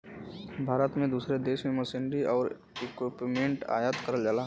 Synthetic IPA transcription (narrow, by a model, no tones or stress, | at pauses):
bʱaːɾət̪mẽd̪uːsɾed̪eːʃmẽmɐsɪ̃nɾiʔɔːɾ | ɪkwɪpmẽɳʈa̰ːjat̪kəɾəld͡ʒalaːɦ